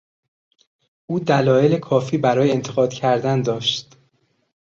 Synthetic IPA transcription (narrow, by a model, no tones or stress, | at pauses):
ʔuːd̪ælɒːje̞le̞kʰɒːfiːbæɾɒːjeent̪ʰeɣɒːd̪̥cʰæɾd̪ænd̪ɒːʃt̪